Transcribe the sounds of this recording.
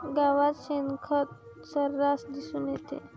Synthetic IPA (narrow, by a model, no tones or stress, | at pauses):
ɡaʋat̪ɕenkʰət̪̚ | səɾːasd̪isuːnjet̪ḛ